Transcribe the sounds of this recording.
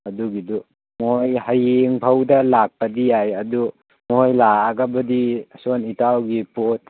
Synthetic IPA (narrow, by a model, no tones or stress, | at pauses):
ɐduɡidu | mojhajeŋpʰawdɐlak̚pɐdiajɐdu | mojlaːɡabɐdisonitawɡipot̚